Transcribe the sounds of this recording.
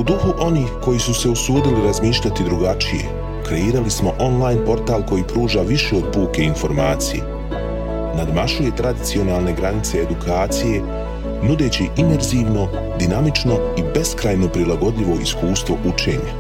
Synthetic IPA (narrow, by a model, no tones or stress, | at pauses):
ud̪uxuʔo̞niːxko̞jisuse̞usuːd̪iliɾazmiːʃʎat̪id̪ɾuɡat͡ʃije̞̰ | kɾe̞iːɾalismo̞ʔo̞nlˠajnpo̞ɾt̪aːlˠko̞jipɾuːʒaʋiʃe̞o̞d̪̚puːke̞info̞ɾmaːt̪sijḛ | nad̪maʃuje̞t̪ɾad̪it̪sio̞naːlˠne̞ɡɾanit̪seːd̪ukʰaːt̪sije̞ | nud̪e̞ːt͡ɕiʔime̞ɾziːʋno̞ | d̪inamit͡ʃno̞ibe̞skɾaːjno̞pɾilaɡo̞d̪ʎiʋo̞iskuːst̪ʋo̞ʔut͡ʃe̞ːɲa